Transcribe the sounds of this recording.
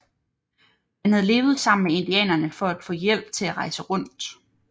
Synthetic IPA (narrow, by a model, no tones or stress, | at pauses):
mænhæð̞ˠle̝ːʊð̞̩ˠsɑ̈m̰n̩mee̝nd̥iɛ̰ːnɐnəfɒ̽æd̥fɔ̰̽ːjel̰b̥̚t͡sʰe̝læʁɑ̈ɪsəʁɔ̽n̰d̥